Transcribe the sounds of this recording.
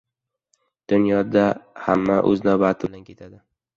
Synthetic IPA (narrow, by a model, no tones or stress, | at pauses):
d̪̥ʊnjɒd̪ahamːaʔɵ̰znabat̪ʰɪbd̪ankʲʰe̞t̪ʰad̪ɪ